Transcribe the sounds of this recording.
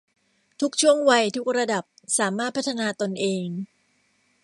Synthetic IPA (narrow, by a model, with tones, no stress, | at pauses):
t̪ʰu˦˥k̚t͡ɕʰu˥˩əŋwa˧jt̪ʰu˦˥k̚ɾa˧da˨˩p̚saː˩˦maː˥˩t̪̚pʰa˦˥t̪ʰːa˧naː˧t̪o˧nʔeː˧ŋ